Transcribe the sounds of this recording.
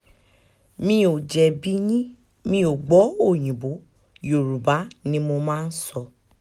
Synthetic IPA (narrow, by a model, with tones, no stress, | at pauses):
mĩ˧˦o˨d͡ʒɛ˨bi˨˦ɲĩ˦ | mĩ˧˦o˨ɡ͡bɔ˨˦o˦˨j̃ĩ˨bo˨˦ | jo˨ɾu˨ba˨˦nĩ˦mo˧mãː˦˧n̩˦sɔ˧